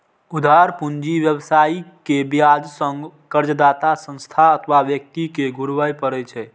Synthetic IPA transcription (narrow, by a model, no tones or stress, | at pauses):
ud̪ʱaɾpund͡ʒiʋjəbsaikebjad͡ʒsəŋɡkəɾd͡ʒəd̪at̪asə̃nst̪ʰaət̪ʰʋaʋjək̚t̪ikeɡʱuɾʋəjpəɾɛt͡ʃʰɛ